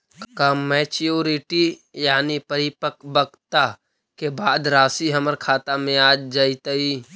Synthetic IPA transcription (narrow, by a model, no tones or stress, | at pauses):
kamːɛːt͡ʃijoːɾɪʈijaːnipəɾɪpəkbəɡt̪a | kebaːd̪ɾaːsiɦɐməɾkʰaːt̪amẽaːd͡ʒd͡ʒaːit̪əi